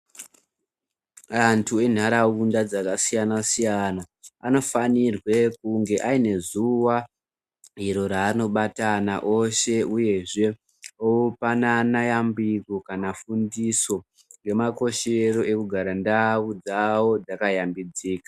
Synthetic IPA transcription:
antʰue̞n̤aɾaundad͡zakasijanasijana | ano̞fanirwe̞kuŋɡe̞ʔaine̞zuwa | ɦiɾo̞ɾaːno̞ɓatana̰ʔo̞ʃe̞uje̞ʐe̞ | oupananajambiko̞kanafundiso̞ | ŋɡe̞mako̞ʃeɾo̞e̞kuɡʱaɾandawud͡zawo̞d͡zakajambid͡ziːka

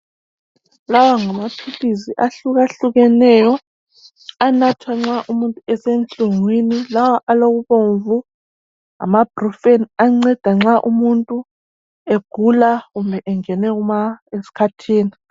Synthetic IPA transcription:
lawaŋamapʰiliziʔaɬuɣaɬuɣɛnɛjɔ | anatʰwaŋ͡ǁaʔumuntʼuɛsent͡ɬʼuŋwinilawaʔaloɣuβoɱvu | a̰mab̥ʱrɔfeniaŋ͡ǀɛd̥ʱaŋ͡ǁaʔumuntʼu | eɡ̥ʱulaɣumbʱɛʔɛŋɛnɛɣumaesi̥kʰatʰiːni

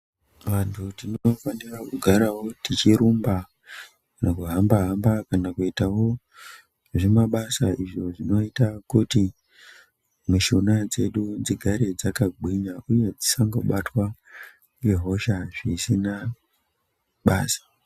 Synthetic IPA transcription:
ʋantʰutinofanirakuɡʱaɾawo̞tit͡ʃiɾumba | nakuɦambaɦambakanakuitawo̞ | ʐemaɓasaiʐo̞ʐino̞itakuti | muʃunad͡ze̞ɗud͡ziɡʱaɾe̞d͡zakaɡʱwiɲauje̞d͡zisaŋɡoɓatwa | jeɦo̞ʃaʐisina | ɓaːsḁ

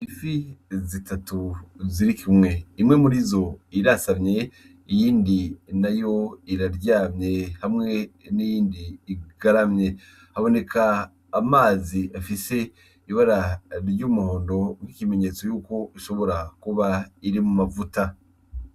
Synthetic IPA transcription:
ifizitatuziɾikʰimŋe̞imŋe̞muɾizo̞iɾasamɲe̞ | ijiːndinajo̞iɾaɾɟaːmɲe̞hamŋe̞nijiːndiːɡ̥aɾamɲe̞ | haβo̞ne̞kʰaː | maːziʔafise̞ | iβaɾaɾɾɟumuho̞ːndo̞ŋikime̞ɲe̞ːt͡so̞juːko̞ʔiʃo̞βo̞ɾakuβaiɾimumavuta

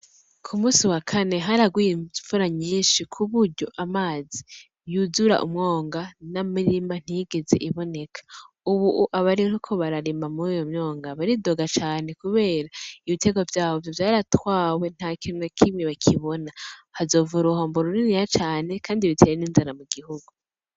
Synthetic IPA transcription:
kʰumuːsiwakʰane̞ɦaɾaɡwijiɱvuɾaɲiːnʃikʰuβuɾɟo̞ʔamaːzi | juzuɾa̰ʔṵmŋo̞ːŋɡanamiɾiman̥hiɡeze̞̰ʔiβo̞ne̞kʰḁ | uβuʔuʔaβaɾihokʰo̞βaɾaɾiːmamuɾijo̞mɲo̞ːŋɡaβaɾido̞ɡat͡ʃaːne̞kuβe̞ːɾaiβite̞ɡo̞vjaːβo̞vjovjaːɾatwaːwe̞n̥hakʰinokʰimiβakʰiβo̞nahazo̞ːvuɾuhoːmboɾuɾinijat͡ʃaːne̞kʰaːndiβitʰe̞ːɾeninzaɾamuɡihuɡ̥u

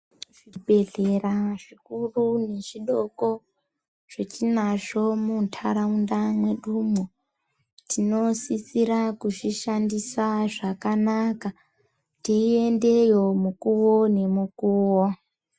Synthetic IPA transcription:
ʐibʱe̞ɮe̞raʐikurune̞ʐiɗo̞ko̞ | ʐ̥et͡ʃinaʐo̞muntʰaɾaundamwe̞ɗumo | tino̞sisiɾakuʐiʃandisaʐakanaka | tiie̞nde̞jo̞mukuwone̞mukuːwo

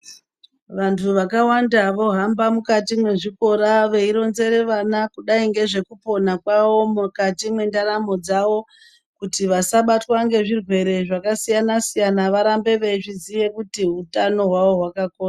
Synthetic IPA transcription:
ʋantʰuʋakawandaʋo̞ɦambamukatimwe̞ʐiko̞ɾaʋe̞iɾo̞nze̞ɾe̞ʋanakuɗaiŋɡe̞ʐe̞kupo̞nakwaʋo̞mukatimwe̞ndaɾamo̞d͡zaʋo̞ | kutiʋasaɓatwaŋɡe̞ʐirwe̞ɾe̞ʐakasijanasijanaʋaɾambe̞ʋeʐizije̞kutiɦutano̞ɦwaʋo̞ɦwakakona

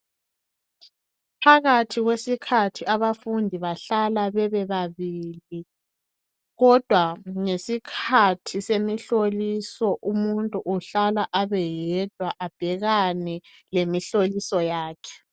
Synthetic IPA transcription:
pʰaɣatʰiɣwesikʰatʰiaβafundʱiβaɬalaβɛβɛβaβili | ɣɔd̥ʱwaŋesikʰatʰisemiɬolisɔʔumuntʼuʔuɬalaʔaβɛjɛd̥ʱwaʔab̥ʱɛɣanɛ | lemiɬolisɔjaːkʰɛ̥

